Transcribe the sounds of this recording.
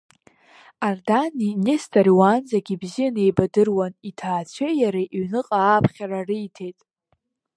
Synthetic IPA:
ardaninestaɾiwanzaɡʲibzijane̞jbadɨrwanitʰaːt͡ɕʷʰejaɾaʔɥnɨqʼaːpʰχʲararɨitʰe̞jtʼ

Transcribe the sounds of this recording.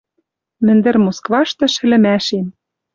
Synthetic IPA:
mɘ̆nd̪ɘ̆rmoskvɑʃt̪ɤ̆ʃɘ̆lɘ̆mæʃem

